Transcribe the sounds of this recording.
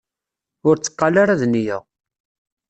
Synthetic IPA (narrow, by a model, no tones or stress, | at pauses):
ʊɾt͡sːə̥qːɑlaɾaðnijæ̰ʁ